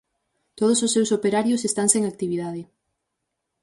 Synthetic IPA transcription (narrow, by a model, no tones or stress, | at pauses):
t̪oð̞ososːewsopeɾaɾjʊsest̪aŋseŋak̚t̪iβiðaðɪ